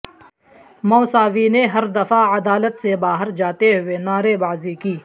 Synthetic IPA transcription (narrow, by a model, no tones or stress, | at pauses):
mɔ̃ːsaːʋineɦɐɾd̪ɐfaɐd̪aːlət̪sebaːɦəɾd͡ʒaːt̪eɦʊwenaːɾebaːzikiː